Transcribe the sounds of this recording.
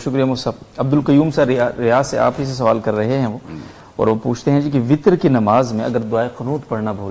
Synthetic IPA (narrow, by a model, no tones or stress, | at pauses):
ʃʊkɾijamʊsɐbɐb̚d̪ʊlqɐjuːmsaaɾɪjaːsea̰ːpɦis̬es̬ɐʋaːlkɐɾːɐɦeɦɛ̃ʋoː | ɔ̰ːɾʋopuːt͡ʃʰt̪eɦɛ̃d͡ʒikiʋɪt̪ɾkinɐmaːzmẽɐ̰ɡəɾd̪ʊaːeqɐnuːt̪pɐɽnabʱoː